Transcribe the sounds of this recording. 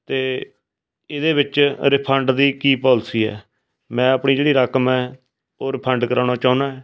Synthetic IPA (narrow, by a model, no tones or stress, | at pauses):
t̪eː | ɪd̪eːbɪt͡ʃɾɪpʰəɳɖd̪iːkiːpɔːlsiːɛ̰ː | mɛ̃ːəpɳiːd͡ʒeːɽiːɾaːkəmɛː | oːɾɪpʰəɳɖkəɾaːɽ̃aːt͡ʃaːnaːɛː